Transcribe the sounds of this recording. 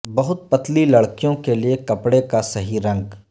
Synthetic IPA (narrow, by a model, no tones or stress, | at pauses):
bɐɦʊt̪̚pɐt̪lilɐɽkijõkeliekɐpɽekasɐɦiɾɐ̃ŋɡ